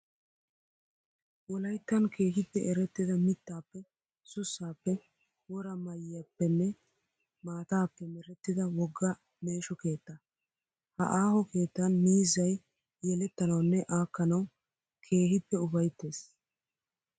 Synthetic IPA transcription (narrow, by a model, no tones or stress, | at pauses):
wɔlɐjt̪ːɐnkʰe̞ːɦɪpːɛʔɛɾɛt̪ːɪd̪ɐmɪt̪ːaːpːɛ | sʊsːaːpːɛ | wɔɾɐmɐjɪjapːɛnːɛ | maːt̪aːpːɛmɛɾɛt̪ːɪd̪ɐwɔɡːɐ | me̞ːʃɔke̞ːt̪ːɐ | hɐ̰ʔaːhɔke̞ːt̪ːɐnmiːzɐj | jɛlɛt̪ːɐnɐwnːɛʔaːkːɐnɐw | kʰe̞ːɦɪpːɛʊbɐjt̪ːe̞ːs